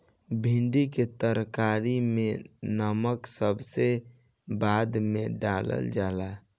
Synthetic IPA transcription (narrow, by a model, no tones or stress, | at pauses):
bʱiɳɖiket̪əɾkaɾimenəməksəbʱse | bad̪meɖalə̰ld͡ʒala